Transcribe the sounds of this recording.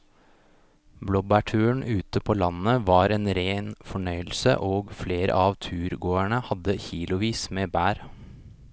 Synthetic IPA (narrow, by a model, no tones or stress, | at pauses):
blɔbæʈʰʉːəɳʔʉːt̪əpʰoːlɑnəʋɑːɾeːnɾeːnfɔɳœʏəlsə̰ʔoːɡfleːɾə̰ʔɑʋt̪ʰʉːɾɡoːæɳəhɑd̪əçiːlʊʋiːsmeːbæːɾ